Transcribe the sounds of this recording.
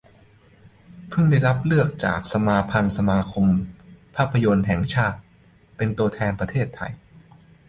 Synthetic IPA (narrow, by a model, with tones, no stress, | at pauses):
pʰɯ˥˩ŋda˥˩jɾa˦˥p̚lɯ˥˩ək̚t͡ɕa̰ː˨˩k̚sa˧maː˧pʰa˧nsa˧maː˧kʰo˧mpʰaː˥˩pʰːa˧jo˧nɦɛ˨˩ŋt͡ɕʰaː˥˩t̪̚ | pe˧nt̪u˧ət̪ʰɛː˧npɾa˧t̪ʰeː˥˩t̪ʰːa̰˧j